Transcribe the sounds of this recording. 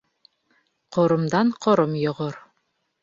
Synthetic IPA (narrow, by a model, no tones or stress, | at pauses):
qŏɾɤ̆md̪ɑɴqʰŏɾɤmjŏʁɤɾ